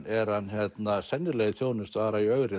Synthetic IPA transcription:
ɛɾ̥hançjɛt̪nasɛnːɪlɛɣɪθjoːwnɪst̪vaːɾaiœɣɾɪ

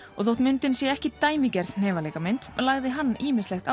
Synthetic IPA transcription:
ɔɣθowht̪mɪnt̪ɪnsjɛɛhcɪt̪aːjmicɛɾðn̥ɛːvaleːjkamɪnt̪laːɣðɪɦanːiːmɪslɛxt̪a

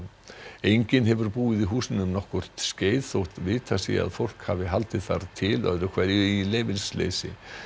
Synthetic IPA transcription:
ejɲcɪnɦɛvʏɾpuːɪðiɦuːsɪnʏmnɔhkʏr̥t̪sceːjðθowht̪vɪːt̪ʰasɛ̰a̰ðfowl̥kha̰ːvɪɦalt̪ɪðθa̰ɾt̪ʰɪlœ̰ðɾʏkʰv̥ɛɾjʏileːjvɪlslḛːjsɪ̰

